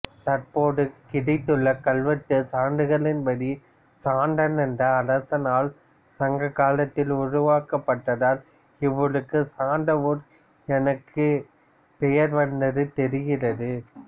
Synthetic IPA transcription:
t̪ɐrpoːɽɯkːɪɽɐɪt̪ːɯɭːɐkɐɭʋɐt̪ːɯsaːɳɖɯɣɐɭɪnpɐɽi | saːɳɖɐnɛndɐːɾɐsɐnaːl | sɐŋɡɐkːaːlɐt̪ːɪlʊrʊʋaːkɐpːɐʈːɐðaːl | ɪʋːɐɭɯkːɯsaːɳɖɐʋuɾ | ɛnɐkʰːɯ | pɛjɐɾʋɐnd̪ɐðɯt̪ɛɾɪɣɪrɐðɯ

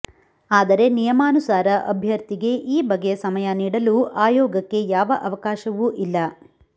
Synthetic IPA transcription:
aːd̪ɐɾe̞nijɐmaːnusaːɾɐʔɐbʱjɐɾt̪iɡe̞ʔiːbɐɡːe̞sɐmɐjɐniːɽɐluʔaːjɔːɡɐkːe̞jaːʋɐʔɐʋɐkaːʃɐʋuʔilːɐ

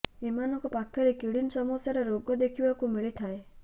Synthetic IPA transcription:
emanɔŋkɔpakʰjɔɾekiɽinsɔmɔsjaɾeɾoɡɔd̪ekʰibakumiɭit̪ʰae

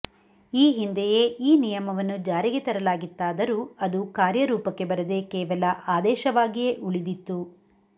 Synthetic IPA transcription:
iːɦind̪ejeːʔiːnijɐmɐʋɐnːud͡ʒaːɾiɡet̪ɐɾɐlaːɡit̪ːaːd̪ɐɾuːɐd̪ukaːɾjɐɾuːpɐkːe̞bɐɾɐd̪e̞kɛːʋɐlɐʔaːd̪ɛːʃɐʋaːɡijeʔuɭid̪it̪ːu

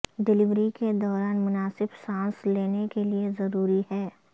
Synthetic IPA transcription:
ɖɪlɪʋɾiked̪ɔːɾaːnmʊnaːsɪbsãːsleːnekeliezɐɾuːɾihɛː

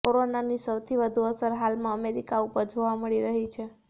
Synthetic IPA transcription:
koɾonanisəwt̪ʰiʋəd̪ʱuəsəɾɦalmãəmeɾikaupəɾd͡ʒoʋaməɭiɾəɦit͡ʃʰe

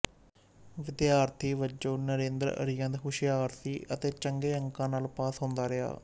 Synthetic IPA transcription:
ʋɪd̪jaːɾt̪ʰiːʋət͡ʃoːnəɾeːnd̪ɾəə̰ɾijãːd̪eɦʊʃɪjaːɾt̪ʰiːʔət̪eːt͡ʃəŋɡeːəŋkãːnaːlpaːsɦõːnd̪aːɾɪa̰ː

